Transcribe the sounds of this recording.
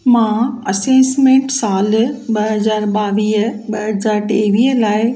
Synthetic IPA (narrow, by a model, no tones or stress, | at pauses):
mãːɐseːsmẽːɳʈsaːlɓɐɦɐzaːɾɓaːʋiːɦəɓɐɦɐzaːɾʈeːʋiːɦəlaːɪ